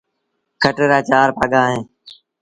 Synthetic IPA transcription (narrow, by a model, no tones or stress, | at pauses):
kʰəʈeɾaːt͡ʃaːɾpa̰ːɠãːɦẽː